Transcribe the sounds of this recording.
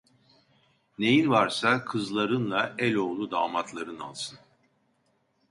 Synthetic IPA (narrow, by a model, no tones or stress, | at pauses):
ne̞jinvaɾsakʰɯzlˠaɾɯnlˠaɛlʲo̞ːlˠud̪aːmat̪ʰlˠaɾɯna̰lˠsʰɯn